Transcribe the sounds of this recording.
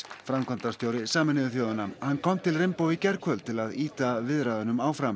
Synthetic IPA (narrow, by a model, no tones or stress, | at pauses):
fɾamkʰɔnt̪ast̪jowɾɪsaːmɪnɪðʏθjoːðʏnahanːkʰɔmt̪ʰɪlrɪmpoːwvɪcɛɾkʰvœlt̪ʰɪlaðiːt̪avɪðɾaːðʏnʏmaːwfɾam